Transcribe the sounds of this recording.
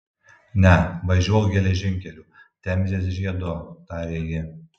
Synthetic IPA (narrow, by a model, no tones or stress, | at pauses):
nʲɛʋɐʒʲuɔjɡʲɛlʲɛʒʲɪŋʲkʲɛlʲuːt̪ʲɛmʲzʲeːs̬ʒʲiɛd̪oːt̪ɑːɾʲeːjɪ